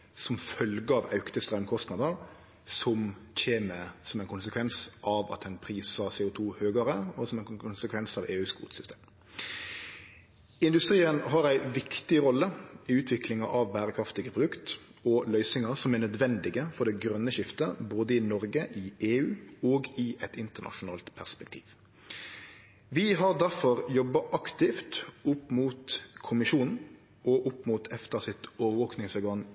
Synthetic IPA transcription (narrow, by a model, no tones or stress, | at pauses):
sɔmfœlɡəɑːʋɑ̰ʉkt̪əst̪ʁœmkʰɔst̪nɑd̪əɾ | sɔmc͡çʰeːnəsɔmæɛɪkʊnsəkʰʋɛnsʔɑʋɑ̰t̪̚dɛnpʰɾiːsəɾseːʊt̪ʰuːhøːɡəɾəɔsɔmɛnʊnsəkʰʋɛnsɑːʋeːʉːsɡṵːt̪sʏ̥st̪ḛːm | ɪnd̪ʉst̪ɾiːənɦɑɾæɪʋɪkt̪ɪɾɔlːəɪʉːt̪ʰʋɪkʰlɪŋɑʔɑʋbæːɾəkʰɾɑft̪ɪɡəpʰʁʊd̪ʉkt̪ | ɔlœʏsɪŋɑsɔmænœd̪ʋɛnd̪ɪɡəfɔd̪ɛɡɾœnːəʃɪft̪əboːd̪əɪnɔɾɡəʔɪʔeːʉːoːɡɪʔɛt̪ɪnt̪əɳɑ̰ʃʊnɑ̰ːlt̪pʰæʁspɛkt̪ʰḭːʋ | ʋɪɦɑʁd̪æɾfɔʁjɔbːɑʔɑkt̪ɪft̪ʊpːmuːt̪kʰʊmɪʃuːnn̩ | ʔɔʔʊpːmuːt̪ʰɛft̪əʁsɪt̪oːʋəɾʋoːknɪŋsɔɾɡɑŋ